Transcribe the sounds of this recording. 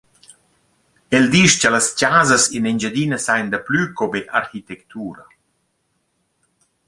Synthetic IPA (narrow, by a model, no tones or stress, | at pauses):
eld̪iʃcələscaːzəsinend͡ʒəd̪inəsajnd̪əplykobeʔa̰ɾxit̪ɛkt̪uːɾa